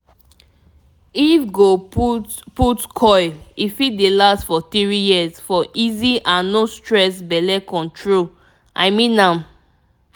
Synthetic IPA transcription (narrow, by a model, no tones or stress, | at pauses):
ifɡo | putkʰɔɪifit̚delastfɔθiɹijisfɔʔiziʔãnnostɹɛsbɛlɛkɔ̃ntʰɹol | ʔa̰ɪmĩnã